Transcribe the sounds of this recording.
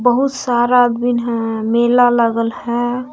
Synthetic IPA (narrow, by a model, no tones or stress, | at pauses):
bəɦut̪saɾad̪binɦɛ̃melaləɡəlhɛ̃